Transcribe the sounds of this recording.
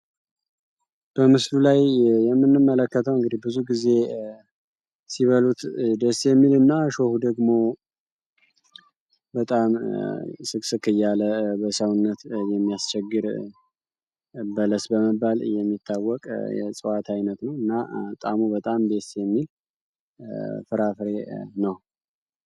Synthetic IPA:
b̥əmɨslulajjɛmːɨnːɨmːələkːət̪ʰəwɨŋɡɨd̪ihbɨzuɡize̞ | siβəlut̪d̪esjɛmːilɨnːaʃohud̪əɡmo̞ | bət̪ʼam | sɨksɨkʰɨjːaləbəsəwnːət̪jɛmːijast͡ʃʰɛɡːɨɾ | bələsbəməbːal̰jɛmːit̪ʰːawːɔkʼjɛ̰sʼɨwat̪ʰajnət̪nəwɨnːat̪ʼamubət̪ʼambesjɛmːil | fɨɾafɾe̞nəw

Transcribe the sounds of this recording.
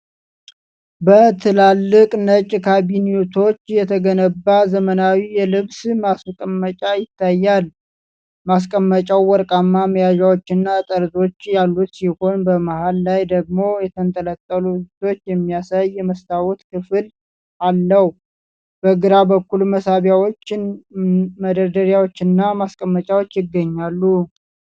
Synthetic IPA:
bət̪ʰɨlalːɨkʼnət͡ʃʼkʰabinijot̪ʰo̞t͡ʃːjɛt̪ʰəɡənəbːazəmənawijɛlɨβsmaskʼəmːət͡ʃʼajɪt̪ʰːajːal | mas̬kʼəmːət͡ʃʼawwɔɾkʼamːaməjaʒawot͡ʃːɪnːat̪ʼəɾd̪o̞t͡ʃːjalːut̪siho̞nbəmahalːajd̪əɡmo̞jɛt̪ʰənt̪ʼələt̪ʼːəlud͡ʒɪt̪ʰo̞t͡ʃːjɛmːijasajːɛməst̪ʰawɔt̪kʰɨfɨl | ʔalːəh | b̥əɡɨɾabəkːuluməsaβjawot͡ʃːɪn | məd̪əɾd̪əɾjawot͡ʃːɪnːamaskʼəmːət͡ʃʼawot͡ʃːjɪɡːəɲːalːu

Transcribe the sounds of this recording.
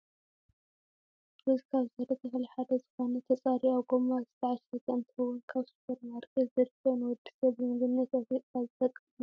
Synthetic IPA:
bɨzkʰaβzɐd̪ɐt̪ʰɐxliħad̪ɐzɨxonɐt̪ʰɐt͡sʼaɾiawɡomazɨt̪ʰɐʕaʃɾɐkʼɐnt̪ʰhɨwɔnkʰaβsu̥pʰoɾmaɾkʼɨzɐɾɨfɐnɨwɔd̪ːi̥sɐβɨmɨɡɨnːɐt̪afit̪ʼkazɨfɐt̪ʼɨ

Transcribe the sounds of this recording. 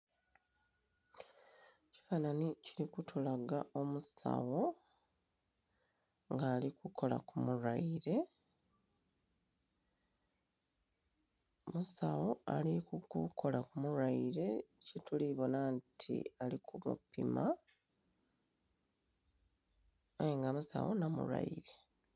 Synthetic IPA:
ci̥faːnaniciɾikutʰulaɡaʔo̞musa̰wo̞ | ŋɡaːlikuko̞la̰kumuɾaiɾe̞ | musawo̞alikukukʰo̞lakumuɾaiɾe̞cituliβo̞nantʰḭalikumṵpḭma | ajeŋɡamusa̰wo̞̰namṵɾa̰iɾe̞

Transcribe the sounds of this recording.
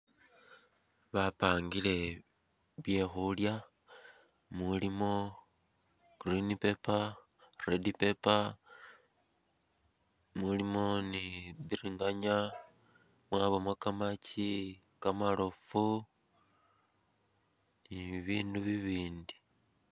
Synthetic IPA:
βapaːŋɡile̞ | βje̞xulja | mulimo̞ | ɡ̥rinipe̞paredipe̞pa | mulimo̞niβiɾiŋɡaɲa | mwaːβomwakamaci | kamalofu | niβiːnduβiβiːndi̥

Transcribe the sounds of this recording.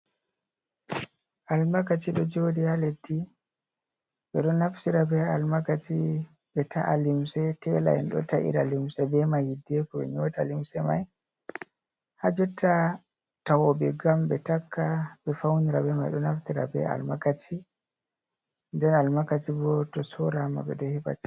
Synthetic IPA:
ʔalmakat͡ʃiɗɔd͡ʒodihaletːi | ɓɛɗɔnaftiɾabɛalmakati | ɓɛtʰaʔalimsɛtɛla̰ɛ̰nɗɔ̰taʔḭɾalimsɛbɛmahidːɛkɔɓɛ̰ɲɔtalimsɛma̰j | had͡ʒɔtːa | tawɔbɛɡambɛtakːabɛfawniɾabɛmajɗɔnaftiɾa̰bɛ̰a̰lmakatʰi | ndɛnalmakatibɔtɔsɔɾama̰bɛ̰ɗɔhɛba̰ti̥

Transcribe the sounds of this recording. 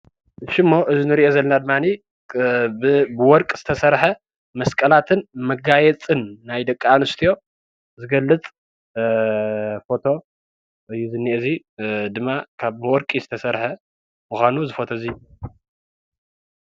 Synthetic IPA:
ʃɪmːo̞ʔɨzinɨɾiʔo̞zɐlːɐnad̪ɨmːani | bɨwɔɾkʼz̥ɨ̥t̪ʰɐsɐɾħɐ | mɐskʼɐlat̪ʰɨnmɐɡajɛt͡sʼɨnːajd̪ɐkʼːaanɨst̪ʰijo̞ | zɨɡɐlːɨt͡sʼ | fo̞t̪ʰo̞ | ʔɨjːuzɨnːiʔzi | d̪ɨmːakʰaβbɨwɔɾkʼizɨt̪ʰɐsɐɾħɐ | muxʷanuzɨfo̞t̪ʰozi

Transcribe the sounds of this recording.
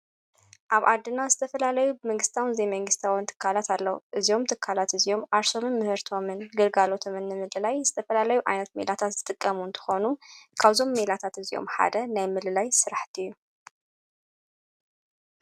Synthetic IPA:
ʔaβa̰d̪ːɨnːazɨt̪ʰɐfɐlalɐjubɨmɐŋɡɨst̪ʰawnɨzejmɐŋɡɨst̪ʰawɨnt̪ʰɨ̥kʰːalat̪ʰalːɐwuʔɨzio̞mt̪ʰɨkʰːalat̪ɨzio̞mʔaɾso̞mɨnmɨhɨɾt̪ʰo̞mɨnɡɨlɡalo̞t̪ʰo̞mɨnːɨmɨlɨlajzɨt̪ʰɐfɐlalɐjuʔajnɐt̪̚mḛlat̪ʰat̪z̥ɨt̪ʼɨkʼːɐmuɨnt̪ʰɨ̥xo̞nukʰaβzo̞mːelat̪ʰat̪ɨzio̞̰mħa̰d̪ɐnajmɨlɨlajsɨɾaħt̪ʰiɨjːu

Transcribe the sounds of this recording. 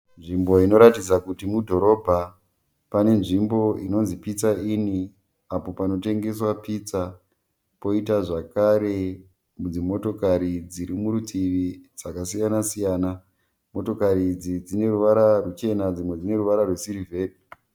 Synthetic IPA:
nʐimbo̞ino̞ɾatid͡zakutimudʱo̞ɾo̞bʱa | pane̞nʐimbo̞ino̞nzipit͡saini | apo̞pano̞te̞ŋɡe̞s̬wapit͡sa | po̞itaʐakaɾe̞ | mud͡zimo̞to̞kaɾid͡ziɾimuɾutiʋid͡zakasijanasijaːna | mo̞to̞kaɾid͡zid͡zine̞ɾuʋaɾarut͡ʃe̞nad͡zimwe̞d͡zine̞ɾuʋaɾarwe̞siɾive̞ːdi

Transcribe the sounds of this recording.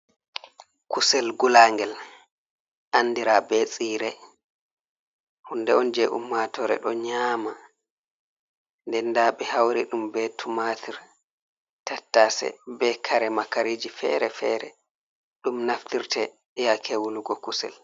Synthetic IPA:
kusɛlɡulaŋɡɛl | ʔanːdiɾabɛt͡sʼiːɾɛ | hundɛɔnd͡ʒɛʔṵmːatɔɾɛ̰ɗɔɲaːma | ndɛndaɓɛhawɾiɗumbɛtʰumatʰiɾ | tatːasɛ̰bɛkʰaɾɛmakaɾiːd͡ʒifɛ̰ɾɛfɛɾɛ | ɗumnaftiɾtɛ | ɛjakʰɛwuluɡɔkusɛ̰l

